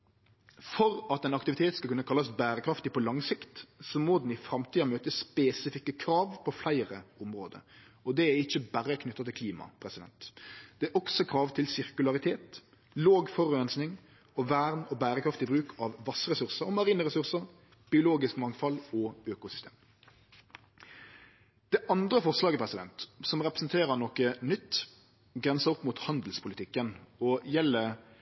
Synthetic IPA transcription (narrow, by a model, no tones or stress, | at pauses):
fɔɾɑt̪ɛnɑkt̪ɪʋɪt̪ʰeːt̪skɑlkʉnːəkʰɑlːɑsbæːɾəkʰɾɑft̪ɪpʰɔlɑŋsɪkt̪sɔmoːd̪n̩ɪfɾɑmt̪ʰiːɑmøːt̪əsspeːsɪfɪkːəkʰɾɑːʋpʰɔflæɪɾəʊmɾoːd̪ə̰ɾ | ɔd̪ɛæɪçːəbærəkʰnʏt̪ːɑt̪ʰɪlkʰliːmɑ̰pʰɾɛsɪd̪ɛ̰nt̪d̪̥ɛæɔksɔkʰɾɑːʋt̪ʰɪlsɪʁkʉlɑʁɪt̪ʰeːt̪ | loːɡfɔʁʉɛnsnɪŋ | ɔʋæːʁnɔːbæːʁəkʰɾɑft̪ɪbɾʉːkʰɑʋʋɑsːəʁɛsʉʁsəɾɔmɑʁiːnəʁɛsʉʁsəʁ | b̥ɪʊloːɡɪskmɑŋfɑlɔøːkʊsʏ̥st̪ḛːm | d̪̥ɛːʔɑnd̪ʁəfɔʁslɑːɡəpʰʁɛsɪd̪ɛ̰nt̪sɔmʁɛpɾəsnt̪ʰeːʁəʁnɔkənʏt̪ː | ɡʁɛnsəɔpːmuːt̪hɑnd̪l̩spʰʊlɪt̪ɪkːənɔjɛlːə